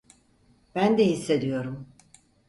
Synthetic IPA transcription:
b̥ænd̪ɛhisːe̞d̪ijo̞ɾum

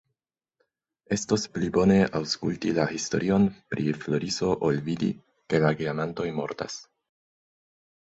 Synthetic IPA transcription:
e̞sto̞splibo̞ne̞awskultilahisto̞̰ɾʔio̞npɾiflo̞ɾiso̞ʔolvidḭ | ke̞laɡiamanto̞jmo̞̰ɾta̰s

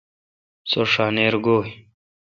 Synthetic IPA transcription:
soʂaːneːɾɡoːi

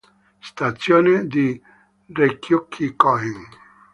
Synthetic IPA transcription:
st̪at̪sjoːned̪i | rekʰjokʰːikɔɦiŋ

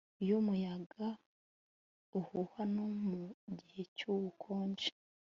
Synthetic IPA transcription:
jomujaɡa | uhuhanomuɟihe̞cuwukʰoːɲd͡ʒe̥

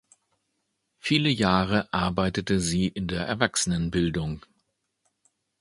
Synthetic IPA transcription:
fiːləjaːʁəʔaɐbaɪtətəziːʔɪndeːɐʔɛɐvaksənənbɪldʊŋ

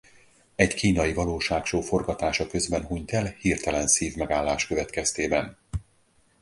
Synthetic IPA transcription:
ɛɟkiːnɒjivɒloːʃaːkʃoːfo̞rɡɒt̪aːʃɒkø̞zbɛnɦuɲt̪ɛlhirt̪ɛlɛnsiːvmɛɡaːlːaːʃkøvɛt̪kɛst̪eːbɛn

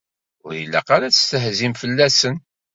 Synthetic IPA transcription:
ʊɾjilːæ̰qaɾat͡sə̥st̪əhzimfəlːæsən

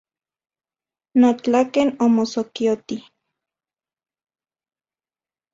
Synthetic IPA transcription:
not͡ɬakenomosokiot̪i

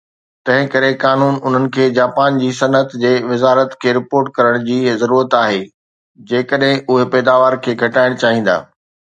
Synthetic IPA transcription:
t̪ɐ̃ɦɪ̃kɐɾekaːnuːnʊn̤ənɪ̆kʰeːd͡ʑaːpaːnd͡ʑiːsɐnət̪d͡ʑeːʋɪzaːɾət̪kʰeːɾɪpoːɾʈ̚kɐɾəɽ̃d͡ʑiːzɐɾuːɾət̪aːɦeː | d͡ʑeːkəɗɦɪ̃ʔʊɦepɛːd̪aːʋaːɾkʰeːɡʱɐʈaːɪɽ̃t͡ɕaːɦĩːn̆d̪a̰ː

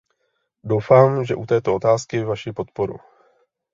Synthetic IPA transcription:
do̞wfaːmʒɛʔut̪ɛːt̪oot̪aːskɪvaʃɪpo̞t̪po̞ɾṵ

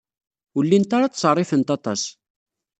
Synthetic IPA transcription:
əlːint̪aɾɑt͡sːsərˤɪfənt̪ɑt̪ˤɑ̰s

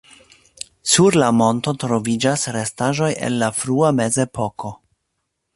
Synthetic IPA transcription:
suɾlamo̞nto̞tɾo̞vid͡ʒasɾe̞staʒo̞jḛnlafɾuame̞ze̞po̞ko̞

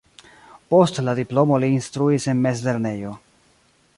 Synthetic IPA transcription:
po̞stladiplo̞mo̞liːnstɾuise̞nme̞sleɾne̞jo̞

